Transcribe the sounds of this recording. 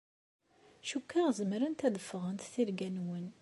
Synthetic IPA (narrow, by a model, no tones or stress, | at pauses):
ʃukːaʁzəmɾənt̪æðəfːəʁənt̪θiɾɡænwən